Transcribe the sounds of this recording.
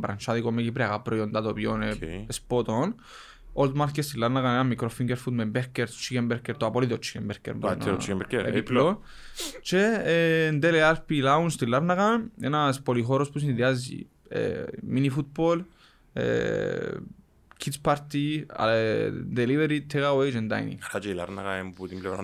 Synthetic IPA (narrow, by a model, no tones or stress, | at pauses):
bɾa̰nt͡ʃaðikomːekipɾiakapːɾojond̪at̪opjoneespot̪on | old̪maɾkest̪ilːaɾnakanenamːikɾofiŋɡeɾfut̪membeɾkeɾt̪t͡ʃːikembeɾkeɾt̪oapoliðot͡ʃːi̥kembeɾkḛɾnḛpiplo | t͡ʃend̪elealpilaunst̪ilːaɾnaɣanḛnaspolixoɾospus̬ind̪iazḭ | ḛminifut̪̚bol | ḛ | kʰit̪spaɾt̪ia̰d̪eliveɾit̪ʰːɛɣawejd͡ʒɛnd̪a̰j̰nḭat͡ʃela̰ɾna̰kaemput̪imblɛɾa